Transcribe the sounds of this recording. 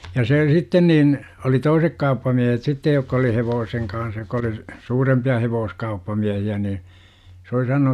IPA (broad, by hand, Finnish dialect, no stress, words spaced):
jɑ seː sitːen niːn oli toisek kɑupːɑmiehet sitːej jokːɑ oli heʋoːseŋ kɑːh jokːɑ oli suːrempiɑ heʋoːskɑupːɑmiæhiæ niː s oli sɑnonu